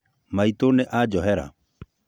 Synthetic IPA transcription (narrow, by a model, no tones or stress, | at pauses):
maitoneʔad͡ʒɔɦɛɾa̰